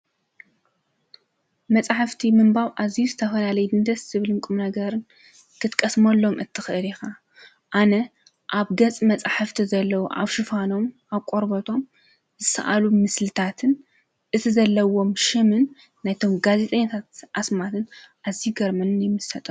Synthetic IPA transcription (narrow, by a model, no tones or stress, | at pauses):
mɐt͡sʼaħaft̪ʰimɨmbaβʔazijuzɨt̪ʰɐfɐlalɐjubɨnd̪ɐssɨβlɨŋkʼumnɐɡɐɾɨn | kʰɨt̪kʼɐsmɐlːo̞mɨt̪ʰːɨxɨʔɨlixa | ʔanɐ | ʔaβɡɐt͡sʼmɐt͡sʼaħɨft̪ʰizɐlːɐwuʔa̰βʃɨfano̞mʔaβkʼoɾbot̪ʰo̞m | zɨsɐ̰ʔalumɨslɨt̪ʰat̪ʰɨn | ʔɨt̪ʰizɐlːɐwo̞mʃɨmɨnː | ajt̪ʰo̞mɡaze̞t̪ʼɐɲːat̪ʰat̪ʔasmat̪ʰɨn | ʔaziuɡɐɾmɐnɨnjɪmɨsɐt̪ʼɐ